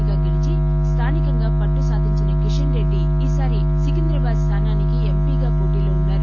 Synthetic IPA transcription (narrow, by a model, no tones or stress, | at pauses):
ɡaːɡilit͡ʃi | st̪ʰaːnikɐŋɡaːpɐʈːusaːd̪ʱiɲt͡ʃunɐkiʂɐnɾeɖːi | iːsaːɾi | sikind̪ɾɐbaːd̪st̪ʰaːnaːnikiempiːɡaːkoːʈiːloːunːaːɾu